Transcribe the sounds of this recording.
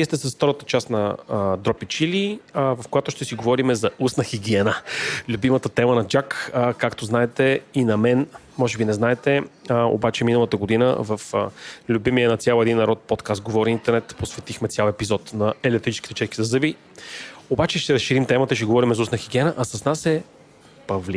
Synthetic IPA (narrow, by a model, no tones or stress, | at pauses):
viɛst̪ɛsɐsft̪ɔɾət̪ət͡ʃasnɐd̪ɾɔpit͡ʃilivɐfkojat̪ʊʃt̪ɛsiɡovɔɾimɛzɐusnəxʲiɡ̟iɛnəlʲʊbimət̪ət̪ɛmənɐd͡ʒakkːakt̪oznaɛt̪ɛinɐmɛn | mɔʒɛbinɛznaɛt̪ɛo̰bat͡ʃɛminəlˠət̪əɡod̪inə̰vəflʲubimijənɐt̪sʲjalˠɛd̪inːɐɾɔt̪̚pɔt̪kast̪̚ɡovɔɾiint̪ɛɾnɛt̪posvɛt̪ixmɛt̪sʲjalˠɛpizɔt̪nɐɛlɛt̪ɾit͡ʃɛ̥ski̥t̪ɛt͡ʃɛʃki̥zɐzɤbi | obat͡ʃɛʃt̪ɛɾəsʃiɾimt̪ɛmət̪əiʃt̪ɛɡovɔɾimɛzɐusnəxiɡʲiɛnəʔɐsɐsnasɛ | pɐvli